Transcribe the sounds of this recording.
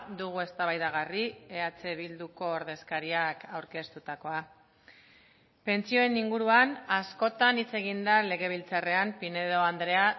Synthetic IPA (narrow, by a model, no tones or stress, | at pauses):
d̪uɣ̞ue̞st̪aβajðaɣ̞arie̞at͡seβild̪uko̞ːɾðe̞skaɾiakawɾke̞st̪ut̪ako̞a | pe̞nt͡sio̞e̞niŋɡuɾuanasko̞t̪anit͡se̞ɣ̞ind̪ale̞ɣ̞e̞β̞ilt͡sare̞ampine̞ðo̞and̪ɾe̞a